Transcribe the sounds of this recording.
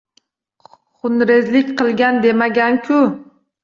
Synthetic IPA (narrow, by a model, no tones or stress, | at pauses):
χʊnɾezlɪkʲqʰɨlˠɡʲand̪e̞maɡʲaŋkʲʰʊ